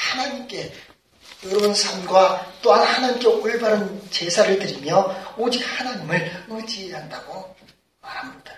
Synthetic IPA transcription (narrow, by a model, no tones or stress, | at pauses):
hanaɲimk͈e̞ | joɾʌbʌnsʰʌnɡwat͈oɦanhanaɲimk̬͈eʔoɭbaɾɯnt͡ɕe̞sʰaɾɯɭtɯɾimjʌod͡ʑik̚hanaɲimɯɭɯd͡ʑieɦandaɡo | maɾhamɲid̥a